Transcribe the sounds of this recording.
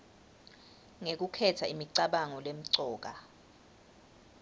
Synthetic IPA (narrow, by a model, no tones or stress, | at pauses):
ŋek̬ukʰɛtʰaimiǀaɓaŋɔlem̩ǀɔːk̬ʼa